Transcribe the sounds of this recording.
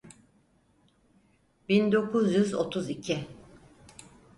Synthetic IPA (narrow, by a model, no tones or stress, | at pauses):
bind̪o̞kʰuzjyzo̞̰t̪ʰuzicʰi